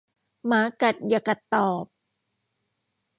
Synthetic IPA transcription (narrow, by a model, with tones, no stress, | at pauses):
maː˨˦ka˨˩t̪̚ja˨˩ka˨˩t̪ːɔː˨˩p̚